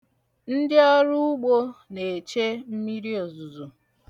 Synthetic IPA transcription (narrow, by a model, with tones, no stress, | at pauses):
n̩˦dɪ˦a˦ɾu˦ʊ˦ɡ͡bo˦ne˨t͡ʃe˦m̩˦mi˦ɾi˦o˨zu˨zu˨